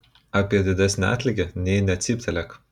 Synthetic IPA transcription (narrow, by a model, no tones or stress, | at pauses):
ɑːpʲiɛd̪ʲɪd̪ʲæsʲnʲɛæ̰ːt̪ʲlʲɪɡʲɛnʲɛɪnʲɛɐt̪ʲsʲipʲt̪ʲɛlʲɛk